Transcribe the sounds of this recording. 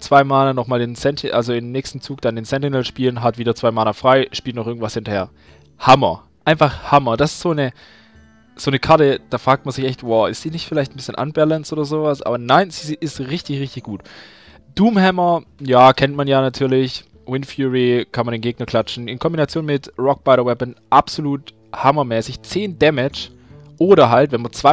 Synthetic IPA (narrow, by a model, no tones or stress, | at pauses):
t͡sv̥aɪmaːnnɔχmaːlɪnsɛntʰɪʔalzoɪmnɛːçstn̩t͡suːkd̥andeːnsɛntɪnɛlʃpiːlənɦatv̥iːdɐt͡sv̥aɪmaːnɐfʁ̥aɪʃpiltnɔχʔɪɐɡŋ̩tv̥ashɪntɐheːɐ | hamɐ̰ | ʔaɪnfaχhamɐd̥asɪ̥stz̥oːnə | z̥oːnəkʰaɐtəd̥aːfʁ̥aːk̚t̚manzɪçʔɛçtv̥ɔːɪstd̥iːnɪçtfɪlaɪçtn̩bɪsçənʔa̰nbɛlənstʔoːdɐzoːvasʔa̰ːbɐnaɪnziːzʔɪstʁɪçtɪçʁɪçtɪçɡ̥uːt | d̥uːmhɛmɐjaːkʰɛntmanjaːnatʰyːɐlɪç | wɪnfjuʁikʰanmandeːnŋɡeːɡ̚nɐkʰl̥at͡ʃn̩ɪnkʰɔmbinat͡sjoːnmɪtʁɔk̚b̥aɪɾɐwɛpənʔapz̥oluːt | hamɐmɛːsɪçt͡seːndɛmɪt͡ʃ | ʔoːɾɐɦaltvɛnmat͡sv̥a